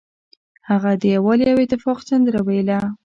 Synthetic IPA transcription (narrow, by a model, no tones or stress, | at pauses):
haɣad̪əjawalijawɪt̪ɪfɑqsand̪əɾawajla